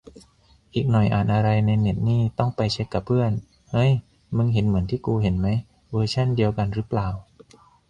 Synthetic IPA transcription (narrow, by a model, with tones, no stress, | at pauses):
ʔiː˨˩k̚nɔ˨˩jʔaː˨˩nʔa˧ɾa˧jna˧jne˨˩t̪̚niː˥˩t̪ɔ˥˩ŋpa˧jt͡ɕʰe˦˥kːa˨˩pʰɯ˥˩ən | hɤ˦˥˩j | mɯ˧ŋɦe˩˦nmɯ˩˦ənt̪ʰiː˥˩kuː˧ɦe˩˦nma˦˥j | wɤː˧t͡ɕʰa˥˩ndi˧əwka˧nɾɯː˦˥plaː˨˩w